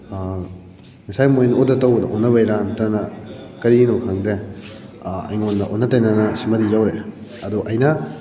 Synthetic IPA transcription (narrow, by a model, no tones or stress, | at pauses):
ŋisajmojnodɐtawbɐdɐ̰ʔonːɐβɐjɾantɐnɐkɐɾinokʰaŋd̪ɾe | ɐ̰jŋondɐʔo̰nːɐtɐjnanɐsimɐdijawɾe | ɐduʔɐjnɐ